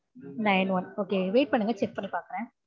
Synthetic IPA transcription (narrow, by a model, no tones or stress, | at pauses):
nɐɪnʋɐnoːkeːʋeːʈ̚pɐɳːɯŋɡɐt͡ʃɛpːɐɾpaːkɐɾɛ̃ː